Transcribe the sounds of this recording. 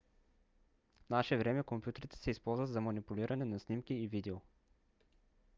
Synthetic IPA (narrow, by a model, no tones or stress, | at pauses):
fnaʃɛvɾɛmɛkompjut̪ɛɾit̪ɛ̥sɛispɔlˠzvət̪zɐmɐnipulʲiɾʔɐnɛnasnimkiːvid̪ɛo